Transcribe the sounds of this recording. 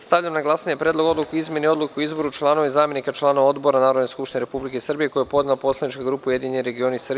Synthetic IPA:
st̪aʋʎamnaɡlˠasnɲepɾʲed̪lo̞ɡo̞d̪lukeizmje̞nio̞d̪lukkeoizbo̞ɾut͡ʃlˠaːno̞ʋaizaːmje̞nikat͡ʃlˠaːnoʋao̞d̪bo̞ɾanaːɾod̪neskupʃt̪ineɾepublikesrbije̞ko̞jepo̞d̪napo̞slˠanit͡ʃkaɡɾuːpeuje̞d̪iɲenɾe̞ɡio̞nisrbi

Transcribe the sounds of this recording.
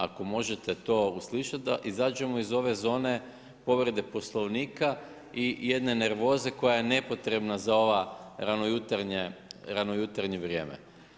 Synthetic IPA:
ako̞mo̞ʒet̪e̞t̪o̞ːusliʃat̪̚d̪a̰ʔizaːd͡ʒe̞moizo̞ʋe̞zo̞ːne̞ | po̞ʋɾed̪e̞po̞slˠo̞ʋniːka | ije̞d̪ne̞ne̞ɾʋo̞ːze̞ko̞jajene̞po̞t̪ɾe̞bnazao̞ʋaɾanojut̪aɾɲeɾanojut̪aɾɲeʋɾʲje̞ːmḛ

